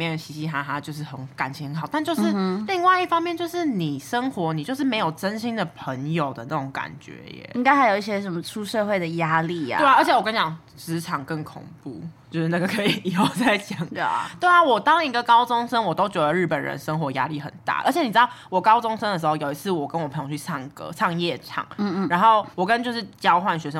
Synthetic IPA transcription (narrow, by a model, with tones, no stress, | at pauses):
mjɛ˥˨˩ɕi˧˥ɕi˧˥t̪ʰa˥a˥t͡ɕjo˥˧ʊʂ̬ɻ̩˥˩xə˧˦nka˨˩nʰi˧˥ŋxə˧nxɑ˨˩ʊt̪a˥˧nt͡ɕjo˥˧ʊʂɻ̩˥˨li˥˧ŋwa˥˧ɪi˥˩fɑ˥ŋmjɛ˥˧nt͡ɕjo˥˧ʊʂɻ̩˥˩ni˨˩ʂə˥ŋxwɔ˧˥ni˨˩t͡ɕjo˥˧ʊʂ̬ɻ̩˥˩me˧˥ɪjo˨˩ʊʈ͡ʂə˦nɕi˥nd̪ə˨pʰə˧˥ŋjo˨˩ʊd̪ə˦na˥˩ʈ͡ʂʊ˧˥ŋka̰˨˩nt͡ɕɥɛ̰˧˦˥ɛ̰˨˩i˥ŋka˥ɪxa˧˥ɪjo˨˩ʊi˥˩ɕjɛ˥ʂə˨˩nmə˧˩ʈ͡ʂʰu˥ʂɤ˥˧xwe˥˩ɪd̪ə˩ja˥lḭ˩˥˩we˥˩ɪlə˞˧˥t͡ɕʰjɛ˨˩wɔ˨ka˥nt͡ɕjɑ˨˩ŋ | t͡sɻ̩˧˥ʈ͡ʂʰɑ˨˩ŋkə˥˩ŋkʰʊ̰˨˩ŋpṵ˥˩t͡ɕjo˥˧ʊʂɻ̩˥˩na˥˩ɡə˨˩kʰɤ˧˥i˨˩˨o˥˨˩t͡sa˥˩ɪt͡ɕjɑ˨˦ŋt̪we˥˩ɪla˨˩wɔ˨˩t̪ɑ˥ŋi˧˥ɡə˨kɑ˥ʊt͡sʊ˥ŋʂə˥nwɔ˨˩t̪o˥ʊt͡ɕɥɛ˧˥d̪ə˨˦ɻ̩˥˩pə˨˩nɻə̰˧˦nʂə˥ŋxwɔ˧˥ja˥li˥˩xə̰˨˩nt̪a̰˥˩ʔə̰˞˧˥t͡ɕʰɛ˨˩ni˨˩˧ɑ˥˩wɔ˨˩kɑ˥ʊt͡sʊ˥ŋʂə˥nd̪ə˨ʂ̬̩˧˥xo˥˩ʊjo˨˩ʊi˧t͡sʰɹ̩˥˩wɔ˨˩pkə˦nwɔ˨˩pʰə˧ŋjo˧˩t͡ɕʰy˥˧sʰɑ˥˧ŋkɤ̰˥sʰɑ˥˧ŋjɛ˥˩ʈ͡ʂʰɑ̰˨˩˦ŋ̩˥˧ɻa˧˥nxo˥˩ʊwɔ˨˩kə˦nt͡ɕjo˥˧ʊʂɻ̩˥˩t͡ɕjɑ˥ʊxwa˥˩nɕɥɛ˧˥ʂə˦